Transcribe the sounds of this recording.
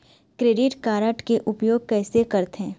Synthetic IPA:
kɾeːɖɪʈkaːɾəʈkeʔʊpjoːɡ̚kɛːsekɐɾt̪ɦɛ̃ː

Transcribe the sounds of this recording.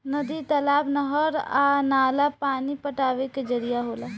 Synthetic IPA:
nɐd̪it̪ɐlaːbnəɦəɾanaːlapaːnipəʈaːʋeked͡ʒəɾijaɦoːlaː

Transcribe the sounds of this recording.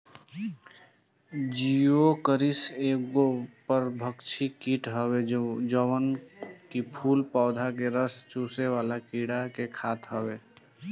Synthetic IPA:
d͡ʒiokəɾiseɡopəɾbʱəkt͡ʃʰikiʈɦəwed͡ʒəwənkipʰulpaʊd̪ʱakeɾəst͡ʃuseʋaːlakiɽakekʰaːt̪ɦəbe

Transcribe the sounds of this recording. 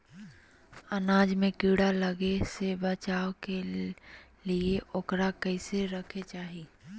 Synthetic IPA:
ɐnaːd͡ʒmẽkiːɽaləɡesebɐt͡ʃaːoke | lieʔoːkɾakɐɪseɾɐkʰet͡ʃaːɦiː

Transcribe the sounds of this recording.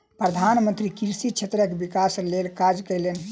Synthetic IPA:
pɾəd̪ʱanmənt̪ɾikiɾsit͡ʃʰet̪ɾəkebikaslelkad͡ʒkəjlen

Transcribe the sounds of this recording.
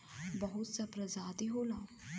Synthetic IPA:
bəɦʊt̪sapɾɐzaːt̪iɦoːlaː

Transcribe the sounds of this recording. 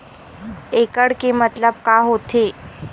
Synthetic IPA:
ekəɽkemət̪ləb̚kaɦot̪ʰe

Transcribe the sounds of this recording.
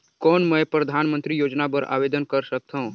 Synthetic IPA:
kɔːnmə̃pɾəd̪ʱaːnmə̃nt̪ɾijoːd͡ʒnapəɾa̰ːʋeːd̪ənkəɾsək̚t̪ʰaɦũ

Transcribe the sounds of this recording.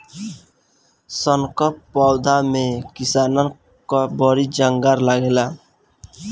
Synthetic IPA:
sʌŋkʌpːawd̪ʱamekisanʌ | kɔbʌɾid͡ʒaŋɡaɾlaɡela

